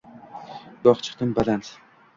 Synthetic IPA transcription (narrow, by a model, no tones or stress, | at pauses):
d̪̥ɒχt͡ʃʰɨ̥qt̪ɨnbalans